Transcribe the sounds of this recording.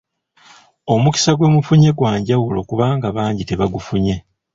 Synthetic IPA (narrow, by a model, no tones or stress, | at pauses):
o̞muki̥saɡwe̞ːmufuɲe̞ɡwaːɲɟawulo̞kuβaːŋɡaβaːɲɟite̞βaɡufuɲe̞